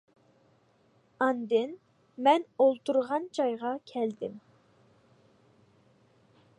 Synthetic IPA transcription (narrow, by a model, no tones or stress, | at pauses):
ɑnd̪ɨn | mɛnolˠt̪uɾʁɑnd͡ʒɑjʁɑkʲʰɛld̪ɪm